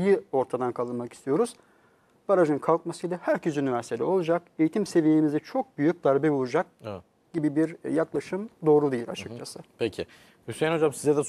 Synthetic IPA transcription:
jio̞ɾt̪ʰad̪ankʰalˠɯnmaki̥st̪ʰijo̞ɾuz̥ | b̥aɾaʒɯnkʰalˠk̚masɯjlʲɛhæɾcʰezynivæɾsit̪ʰed̪ɛ̰o̞lˠud͡ʒake̞jit̪ʰimse̞vijeimizit͡ʃʰo̞k̚byjyc̚d̪aɾbɛbulˠud͡ʒak̚ | ɟ̥ibibiɾjaklˠaʃɯmd̪o̞ːɾud̪ejilʲa̰t͡ʃʰɯk̚t͡ʃʰasɯpʰecʰɪ̰ | ysɛno̞d͡ʒamsizɛd̪ɛ

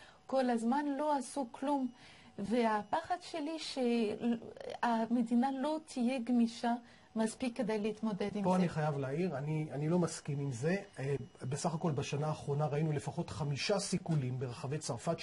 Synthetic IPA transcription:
ko̞lazmanlo̞asuklum | veapaχadʃe̞liʃe | amedinalo̞t̪ʰijeɡmiʃa | maspikːedajleit̪mo̞de̞dimpoaniχajavleaiʁanianilo̞maskinimze̞besaχako̞lbaʃanaːχʁo̞naʁainule̞faχo̞tχamiʃasikulimbeʁaχave̞jt͡saʁfat

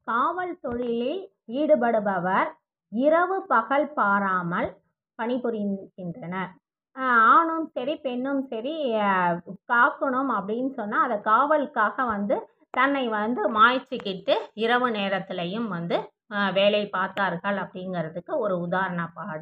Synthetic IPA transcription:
kaːʋɐlt̪ɔɻɪlɪ | iːɽɯpɐɽɯbɐʋɐɾ | ɪɾɐʋɯpɐɣɐɭpaːɾaːmɐl | pɐɳɪpːɯɾɪɣɪndrɐnɐ | aːɳɯmsɐɾipɛɳːɯmsɐɾi | kaːkːɐɳɯmɐpːɐɽɪnːɯsɔnːaːɐðɐkaːʋɐlkaːɣɐʋɐnd̪ɯ | t̪ɐnːɐɪʋɐnd̪ɯmaːjt͡ʃːɯkːɪʈːɯɪɾɐʋɯneːɾɐt̪ːɪlɐjɯmʋɐnd̪ɯ | ʋeːlɐɪpaːɾt̪aːɾɣɐɭɐpːɐɽɪŋɡɐɾɐðɯkːɯɔɾɯʊðaːɾɐɳɐpaːɽɯm

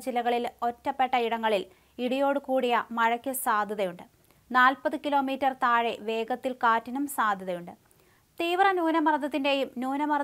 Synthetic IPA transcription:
d͡ʑilɐɣɐɭilo̞tːɐpːe̞ʈːɐiɽɐŋːɐɭil | iɽijo̞ːɽɨkuːɽijɐmɐɻɐkʲːusaːd̪ʱɐðɐjuɳɖɨ | naːlpɐðɨkilo̞ːmiːtːɐrt̪aːɻeʋe̞ːɡɐt̪ːilkaːtːinumsaːd̪ʱɐðɐjuɳɖɨ | t̪iːʋrɐnuːnɐmɐrɐd̪ʱːɐt̪ːinde̞jumnuːnɐmɐr

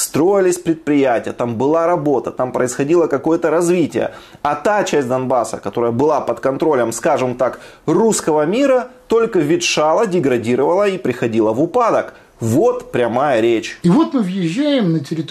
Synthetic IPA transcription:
st̪ɾo̞jɪlʲɪsʲpɾʲɪt̪̚pɾʲɪjætʲɪjət̪ambɨlˠaɾɐbo̞t̪ət̪ampɾəɪsxɐdʲilˠəkɐko̞jət̪əɾɐzvʲitʲɪ̰jə̰ɐt̪at͡ɕæsʲd̪ɐnbasə̰kɐt̪o̞ɾəjəbɨlˠapət̪kɐnt̪ɾo̞lʲəmskaʐɨmt̪ak | ruskəvəmʲiɾət̪o̞lʲkəvʲɪt̪ʂalˠədʲɪɡɾɐdʲiɾəvəlˠəipɾʲɪxɐdʲilˠəvʊpad̪ək | vo̞t̪pɾʲɐmajəɾʲet͡ɕivot̪mɨvjɪʑːæjɪmnətʲɪɾʲɪt̪

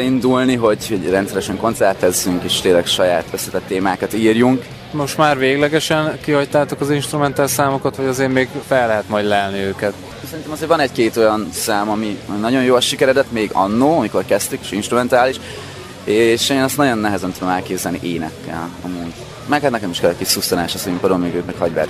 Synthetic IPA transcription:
ind̪ulniɦo̞ɟhoɟrɛnt̪sɛɾɛʃɛŋko̞nt̪sɛrt̪ːɛzːyŋkeːʃt̪eːlɛkʃɒjaːt̪ʰø̞sːɛt̪ɛt̪ːeːmaːkɒt̪iːrjuŋk | mo̞ʃt̪maːɾveːɡlɛɡɛʃɛnkihɒct̪aːt̪okɒzinʃt̪ɾumɛnt̪alsaːmokɒt̪ʋɒɟɒzeːɾmeːɡfɛlːɛɦɛt̪mɒjd̪lɛlniøːkɛt̪ | sɛɾint̪ɛmɒzeːɾvɒnɛckeːt̪o̞jɒnsaːmɒmiɒminɒɟo̞njoːlʃikɛɾɛd̪ɛt̪meːɡɒ̰nːoːɒmiko̞rkɛst̪ykeːʃinʃt̪rumɛnt̪aːliʃ | eʃeːnɛstnɒɟo̞nːɛɦɛzɛnt̪ud̪o̞mɛlkeːbzɛlniʔeːnɛ̰kːɛ̰lɒ̰munt̪ | mɛːkat̪nɛkɛmiʃkɛlɛckːeːt̪susonaːʃɒsimpod̪omyːɡøːk̪mɛkhɒɟvɛ̰ɾ

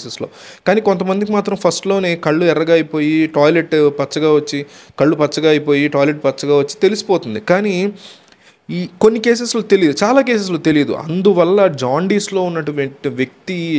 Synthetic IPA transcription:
seslo̞ːkaːniːkont̪̬ɐmɐnd̪ik̬imaːt̪ɾɐmpʰɐsʈloːne̞ːkɐɭːuɛrːɐɡaːɐjipo̞ːjiʈaːjle̞ʈpɐt͡ʃːɐɡaːʋot͡ʃːikɐɭːupɐt͡ʃːɐɡaːɐjpo̞ːjiʈɔːjle̞ʈ̚pɐt͡ʃːɐɡaːʋot͡ʃːi̥t̪e̞lisi̥poːt̪und̪ikaːni | konːike̞ːs̬eslot̪e̞lijd̪ut͡ʃaːlaːke̞ːs̬es̬loːt̪elijɐd̪ṵʔɐ̰nd̪uʋɐlːɐd͡ʒaːɳɖiːslo̞ːunːɐʈːuʋʋjɐk̚t̪i

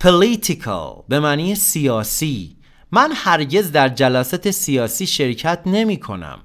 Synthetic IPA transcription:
pʰolit̪ʰikʰɑ̰be̞mæːniːesijɒːsiː | mænhæɾɟe̞zd̪æɾd͡ʒælæːsæt̪ʰesijɒːsiːʃe̞ɾcʰæt̪ʰne̞miːkʰo̞̰næ̰m

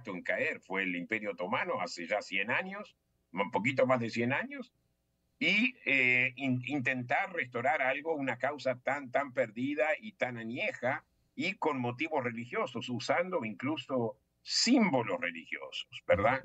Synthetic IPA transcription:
t̪oeŋkaeɾfweːlimpeɾjoat̪o̞manoaseʒasjenaɲos | pokit̪̬omazðesjenaɲos | ieiint̪ent̪aɾrest̪aɾaɾalɣounakawsat̪ant̪ampeɾðið̞ait̪ananjexa | iko̞nmo̞t̪̬iβosrelixjo̞sosusand̪oiŋkluso | simbo̞losrelixjo̰so̥sbeɾða

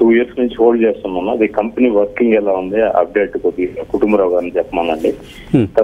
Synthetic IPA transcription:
t̪uːjiːɾsnuɲt͡ʃiɦoːɖt͡ʃeːst̪unːɐnːaɐd̪ikɐmpniːʋɐɾkiŋɡɛlaːund̪iɐ̰b̚ɖeːʈkod̪ːikuʈumbɐɾaːʋɡaːɾɐnt͡ʃɛpːɐmɐlɐɳɖi | t̪ɐ

